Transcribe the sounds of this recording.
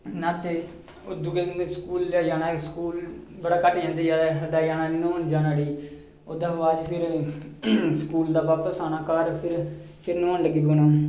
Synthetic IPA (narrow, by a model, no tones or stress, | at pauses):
naːt̪eː | od̪ʊɡeːeskuːlaːjaːnaːskuːlbəɽaːkəʈd͡ʒãːnd̪eːd͡ʒaːəɖaːjaːnaːnoːnd͡ʒaːnaːɽiː | oːd̪aːaːd͡ʒpʰɪɾ | sə̥kuːld̪aːʋaːpəsaːnaːkaːɾpʰɪɾ | pʰɪɾnoːnləɡiːboːnoː